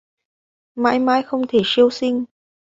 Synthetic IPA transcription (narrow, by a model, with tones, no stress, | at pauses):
ma̰ː˧˥jmaː˧jxə˧wŋ͡mt̪ʰe˧˩si˧əwsï˧ŋ̟